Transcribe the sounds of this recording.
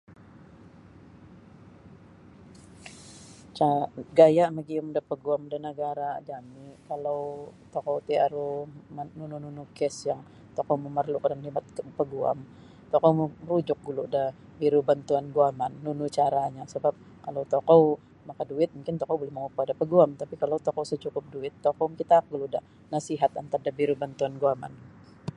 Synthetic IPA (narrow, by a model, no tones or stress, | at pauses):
t͡ʃaɡajaʔməɡiʊmdapəɡuamdənəɡaɾad͡ʒamikalawt̪okɔwt̪iaɾumnunununukɛsjaŋ | t̪okɔwməmərlukadanhibat̪̚pəɡua̰m | t̪ɔkɔwmɾud͡ʒʊk̚ɡuluda | biɾubant̪uanɡuamanːunut͡ʃaɾaɲasəbap̚ | kalawt̪okɔw | makaduɪt̪̚muŋkɪnt̪ɔkɔwbolɛhməŋukuadapəɡuamt̪apikalawt̪ɔkɔwsət͡ʃukʊp̚duɪt̪ːokɔwŋkit̪akɡuludah | nasiɦat̪a̰nt̪ardabiɾubant̪uanɡuama̰n